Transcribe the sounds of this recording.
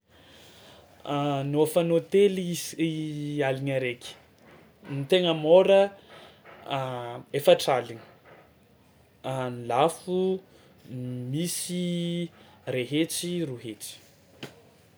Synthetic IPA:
noafanot̪elialiɲəɾekʲi̥ | nit̪eŋəmoɾə | efəʈ͡ʂalini̥ | anilafu | misi | reɦet͡siruɦet͡si̥

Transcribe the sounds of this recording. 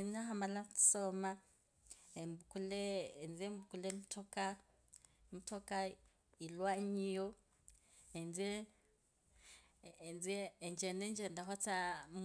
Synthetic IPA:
naɦamalḁsɔma | ɛmbukulɛɛnd͡zɛmbukulɛmutʰɔka | mutʰɔka | ilwaɲijɔ | ɛnd͡zɛ | nd͡ziɛnd͡ʒɛnɛnd͡ʒɛndaɦɔt͡sam

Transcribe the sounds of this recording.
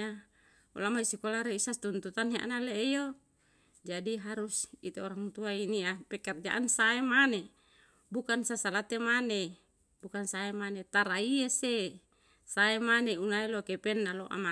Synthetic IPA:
a | ṵlamaisikolaɾeisast̪unt̪ut̪anɦa̰ʔnalejo | d͡ʒadiɦaɾusit̪eɔɾaŋt̪uainiapɛkard͡ʒa̰ʔansaemane | bukansasalat̪emane | bukansaemanet̪aɾaiese | saemaneunailokepɛnːaloʔa̰ma

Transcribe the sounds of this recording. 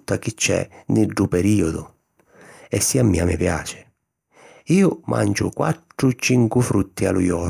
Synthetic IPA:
t̪ːak̟it͡ʃːɛ̰nɪɖːupɛɾiːɔd̪ʊ | ɛsːiamːiːamɪpjaːt͡ʃɪ̥ | iːʊmʔa̰nt͡ʃʊ̰kwa̰ʈ̪ːɾʊt͡ʃiŋkufɾut̪ːia̰lujɔː

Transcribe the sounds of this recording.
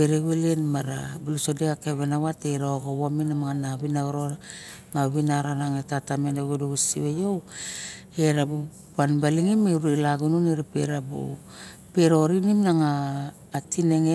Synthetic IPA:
beɾeɡelenmaɾa̰bulusodeakeβenawateɾaoɡowominamaŋanaβinaɡoɾoa | naβinaɾanaŋetatamenoɡodoɡusiβejo | eɾabu | panbaliŋimeɾelaɡununiɾapeɾabṵ | peɾoɾinimnaŋaː | tine̞ŋe

